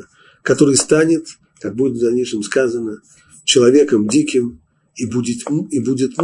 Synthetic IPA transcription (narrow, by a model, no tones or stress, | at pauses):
kɐt̪o̞ɾɨjst̪anʲɪt̪ | kak̚budʲɪt̪zɐnʲiʂəmskazənə | t͡ɕɪlˠɐvʲekəmdʲikʲɪm | ibudʲɪt̪ibudʲɪt̪m